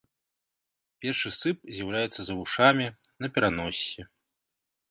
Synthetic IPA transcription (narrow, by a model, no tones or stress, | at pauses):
pʲɛrʂɨsɨp̚zʲjawlʲajɛt̪sːɐzɐvuʂamʲinɐpʲɛɾanɔsʲːɛ